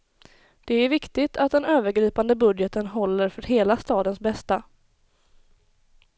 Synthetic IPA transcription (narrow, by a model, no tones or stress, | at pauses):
d̪̥ɛæɾvɪkt̪ɪt̪ʰat̪̚d̪ɛnøːvəɾɡɾiːpand̪əbɵd̪jət̪ənɦɔlːəɾfœɾɦeːlast̪ɑːd̪ənsbɛst̪a